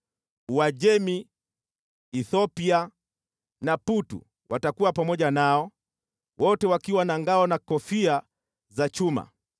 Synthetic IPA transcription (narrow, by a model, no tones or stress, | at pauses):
uwaʄɛmi | θɔpia | naputṵ | wʔatakuwapamɔʄanaɔ | wʔɔtɛwakiwanaŋɡaɔnakɔfia | zat͡ʃuma̰